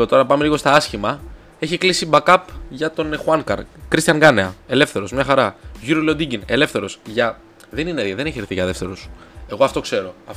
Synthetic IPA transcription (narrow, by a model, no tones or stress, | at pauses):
ot̪oɾɐpɐme̞liɣo̞st̪ɐɐsçimɐ | e̞çiklisibɐkɐpʝɐt̪o̞nexuɐŋkɐ̰ɾkɾist̪çɐŋɡɐneɐe̞le̞fθe̞ɾo̞zmɲɐxɐɾɐʝuɾilod̪iɟine̞le̞fθe̞ɾo̞sʝɐ | ðe̞nineeɾʝɐðeneçeɾθiʝɐðe̞ft̪e̞ɾos | e̞ɣo̞ɐft̪o̞kse̞ɾo̞ɐf